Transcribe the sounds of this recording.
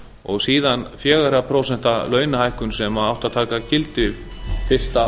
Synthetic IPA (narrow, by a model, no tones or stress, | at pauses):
ɔɣsiːðanfjɛːɣaɾapʰɾoːwsɛn̥t̪alœːɥnahajhkʏnsɛmaawht̪at̪ʰaːkacɪlt̪ɪfɪr̥st̪a